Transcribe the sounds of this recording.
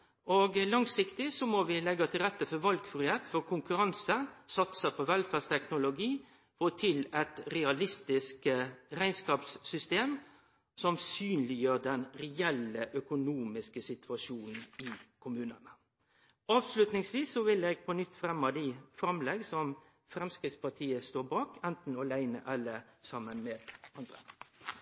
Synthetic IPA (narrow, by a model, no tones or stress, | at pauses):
ɔɡlɑŋsɪkt̪ɪsɔmɔʋɪlɛɡːɑt̪ʰɪlɾɛt̪ːəfɔɾʋɑlɡfɾʏheːt̪fɔɾkʰʊŋkʉɾɑnsəsɑt̪səpʰɔʋɛlfæst̪ʰɛknʊlʊɡiː | fɔt̪ʰɪlɛt̪ɾɛɑlɪst̪ɪskəɾæɪnskɑːpsːʏst̪eːm | sɔmsyːnlɪjøːɾd̪ɛnɾɛɛləʔœkʊnuːmɪskəsɪt̪ʰʋɑʂuːnn̩ɪkʰʊmʉːnənə | ɑːʋslʉt̪nɪŋsʋiːsːɔʋɪleːɡ̚pʰɔnʏt̪ːfɾɛmːɑd̪ɪfɾɑmlɛɡsɔm | fɾɛmskɾɪt̪spɑʈʰiːəst̪oːbɑːkɛnt̪n̩ɔlæɪnəʔɑlːəsɑmːənmeːd̪ɑnd̪ɾə̰